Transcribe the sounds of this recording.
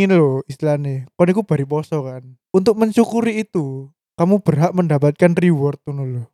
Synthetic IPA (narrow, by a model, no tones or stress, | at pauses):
inloist̪lanekɔnikub̥a̤ɾipɔsɔkan | unt̪ʊk̚məɲt͡ʃukuɾiːt̪u | kamub̥ərɦaʔməndapat̪̚kanriwɔrt̪̚unulo